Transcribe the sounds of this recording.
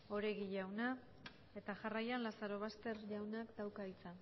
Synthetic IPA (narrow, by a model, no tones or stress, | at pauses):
o̞ɾe̞ɣiʝawna | e̞t̪aʝarajanlasaɾo̞β̞ast̪e̞ɾʝawnakd̪awkait͡sa